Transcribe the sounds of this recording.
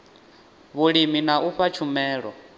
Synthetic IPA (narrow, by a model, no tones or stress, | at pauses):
βuɺiminaʔuɸat͡ʃʰumɛːɺɔ